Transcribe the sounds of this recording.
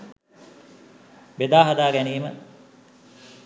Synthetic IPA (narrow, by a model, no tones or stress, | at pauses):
bed̪aːɦɐd̪aːɡæniːmə